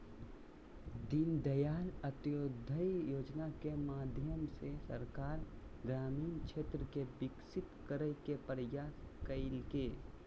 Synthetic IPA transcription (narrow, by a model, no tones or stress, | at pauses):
d̪ɪnd̪əjaːlət̪joːd̪ʱəijoːd͡ʒnakemaːd̪ʱjəmsesəɾkaːɾɡɾaːmiːnt͡ʃʰeːt̪ɾəkebɪksɪt̪kəɾəjkepəɾəjaːskəɪlkeː